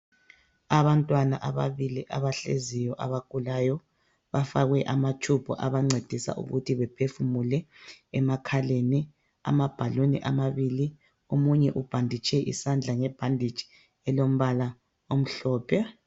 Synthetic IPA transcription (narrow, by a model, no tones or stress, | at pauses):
aβantʼwanaʔaβaβiliʔaβaɬḛzijɔʔaβakulajɔ | βafaɣɛʔamat͡ʃʰub̥ʰʱɔʔaβaŋ͡ǀed̥ʱisa̰ʔṵɣutʰiβɛpʰefumulɛɛmakʰaleni | a̰mab̥ʱalonḭʔamaβiːli | omuɲɛʔub̥ʱandʱit͡ʃʼɛʔḭsand͡ɮʱaŋɛb̥ʱandʱid̥d͡ʒ̥ʱi̥ | ɛlom̩βala | om̩ɬɔːpʰɛ